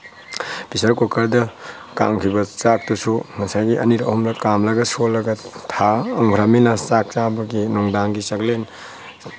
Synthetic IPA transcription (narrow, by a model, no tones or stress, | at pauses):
b̥isɐɾkokɐɾdɐ | ka̰ŋkʰibɐt͡ʃak̚tusumɐsajɡiɐniɾɐɐɦumlɐkamlɐɡɐsolːɐɡɐtʰaɐŋɡʰʱɾaminɐsak̚t͡ʃabɐɡinuŋdaŋɡisɐklen